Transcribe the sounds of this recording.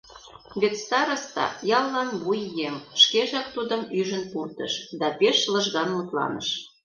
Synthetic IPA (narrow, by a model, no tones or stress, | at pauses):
βet̪st̪ɑɾə̆st̪ɑ̰jɑlːɑnβujːemʃkeʒɑk̚t̪ud̪əmyʒə̆npurt̪ə̰ʃd̪ɑpeʃlə̆ʒɣɑnmət̪lɑ̰nə̰̆ʃ